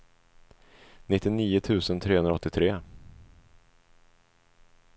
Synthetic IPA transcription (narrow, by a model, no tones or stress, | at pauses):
nɪt̪ːɪniːʊt̪ʰʉ̟ːsənt̪ʰɾeːhɵnɾɔt̪ːɪt̪ʰɾeː